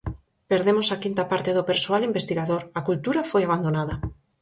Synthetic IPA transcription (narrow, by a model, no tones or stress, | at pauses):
peɾðemʊsakint̪apaɾt̪eðʊpeɾsoalimbest̪iɣaðoɾakult̪uɾafojaβ̞and̪onaðɐ